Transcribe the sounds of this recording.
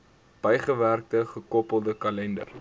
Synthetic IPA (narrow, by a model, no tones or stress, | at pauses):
b̥əjχəværk̚təχəkɔpəlˠdəkɐlɛndə̰r